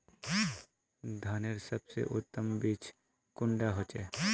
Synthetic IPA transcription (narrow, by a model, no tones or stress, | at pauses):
d̪ʱaːneɾsəbsḛʔʊt̪ːəmbiːt͡ʃ | kʊ̃ɳɖaɦoːt͡ʃeː